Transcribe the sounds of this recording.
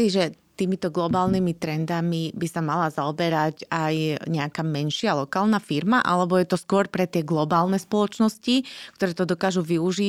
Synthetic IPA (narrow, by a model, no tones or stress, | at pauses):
iʒɛt̪iːmit̪ɔɡlɔbaːlnimit̪ɾɛnd̪amibisamalazaɔbɛɾacajɲɛakaːmɛnʃɪalɔkaːlˠnafiɾmaʔa̰lɛbɔjɛt̪ɔskʊɔɾpɾɛt̪ɪɛɡlɔbaːlˠnɛspɔlɔt͡ʃnɔscikt̪ɔɾɛːt̪ɔd̪ɔkaːʒuʋiuʒi